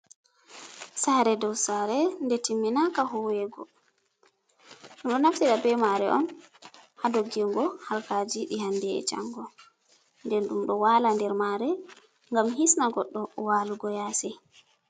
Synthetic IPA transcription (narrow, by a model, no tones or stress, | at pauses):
saːɾɛdɔwsaːɾɛndɛtimːinakaɦɔwɛɡɔ̰ | ɗumɗɔnaftiɗabɛmaɾɛʔɔn | hadoɡiŋɡɔhalkad͡ʒiɗihandɛɛ̰t͡ʃa̰ŋɡɔ | ndɛnɗumɗɔwalandɛɾmaːɾɛ | ŋɡamɦisnaɡɔɗːɔwaluɡɔjaːsɛ